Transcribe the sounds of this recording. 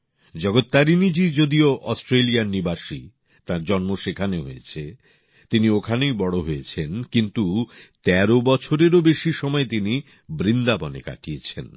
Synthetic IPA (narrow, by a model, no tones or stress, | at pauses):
d͡ʑɔɡot̪ːaɾinid͡ʑid͡ʑod̪ioʔɔsʈɾelijaɾnibaʃi | t̪ãɾd͡ʑɔnmoʃekʰaneɦojet͡ɕʰe | t̪iniokʰanejbɔɽoɦoet͡ɕʰenkint̪ut̪ɛɾobɔt͡ɕʰoɾeɾobeʃiʃɔmɔet̪ini | bɾind̪abɔneka̰ʈijet͡ɕʰen